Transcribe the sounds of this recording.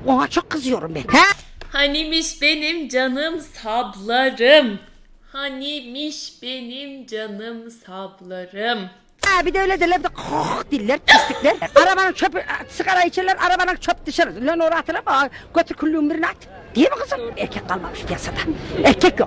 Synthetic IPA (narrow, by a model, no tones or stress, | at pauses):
oɦat͡ʃʰoqːɯzɯjoɾumbenhæhanimiʃbenimd͡ʒanɯmsablˠaɾɯm | hanimiʃb̥enimd͡ʒanɯmsablˠaɾɯm | æbid̪ɛlʲɛd̪elɛbid̪ɛqʰoχd̪ilʲːeɾt̪ʰist̪iklɛɾaɾabanɯŋt͡ʃʰopsɯqaɾajit͡ʃʰɛlːɛɾʔaɾabanɯŋt͡ʃʰop̚d̪ɯʃanɯlʲønoɾat̪ʰɯlˠamaɡ̥øt̪ʰɾkʰylʲːyumbiɾnat̪ | d̪̥ijɛbiqʰɯzɯnɛɾkʲʰɛk̚ʲqalˠmaɯʃpʰijasad̪ḁeɾkʲʰɛkjo